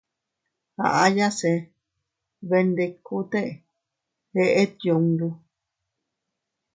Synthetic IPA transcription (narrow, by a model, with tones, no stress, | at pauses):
ha̰˨ʔa˦ja˦se˧ | βe˧nd̪e˧kʰːu˦t̪e˦ʔe | heʔe˦t̪̚jo˨ŋdu˦